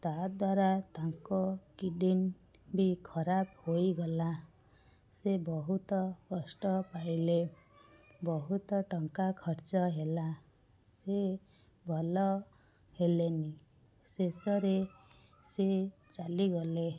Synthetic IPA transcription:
t̪ad̪waɾat̪aŋkokiɖin | bikʰʌɾabhojɡʌla | sebɔɦut̪ɔkɔsʈɔpajle | bɔɦut̪ɔʈʌŋkakʰɔɾt͡ʃɔɦela | se | bʱɔlɔ | ɦeleni | sesɔɾe | se | t͡ʃaliɡɔle

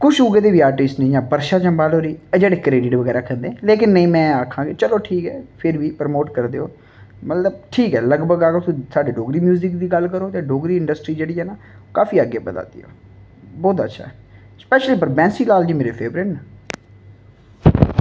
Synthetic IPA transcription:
kʊt͡ʃʊɡeːd̪eːʋiːaːɾʈɪsʈnə̃ĩːjãːbəɾʃaːt͡ʃəmbaːloːɾiːɛd͡ʒeːɽeːkɾeːɖɪʈʋəɡɛːɾaːkʰə̃nd̪ẽːleːkɪnːəĩːmɛ̃ːakʰːãːɡeːt͡ʃəloːʈʰiːkɛ̰ːpʰɪɾʋiːpəɾmoːʈkəɾd̪eːɦoː | mət̪ləb̚ʈʰiːkɛːləɡbəɡaːɡəɾt̪usaːɖeːɖoːɡɾiːmjuːzɪk̚d̪iːɡəlkəɾoːjãːɖoːɡɾiːɪɳɖəsʈɾiːd͡ʒeːɽiːɛːnaː | okaːfiːəɡeːbəd̪a̰ːd̪ḭːo̰ː | bɔːt̪ətːʃʰa̰ːɛ | spɛːʃliːpəɾbɛ̃ːnsiːlaːld͡ʒiːmeːɾeːpʰeːbɾɪʈna

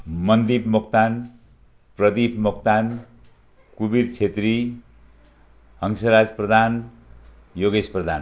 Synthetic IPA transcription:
mʌnd̪ipmokt̪an | prʌd̪ipmokt̪an | kubiɾt͡sʰet̪ri | ɦʌŋsʌɾad͡zprʌd̪ʱan | joɡesprʌd̪ʱan

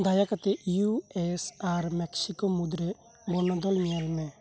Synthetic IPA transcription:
d̪ʱaːjakət̪ejuɛsaɾmɛksɪkomʊd̪ɾe | bonad̪ɔlmijalmɛ̃

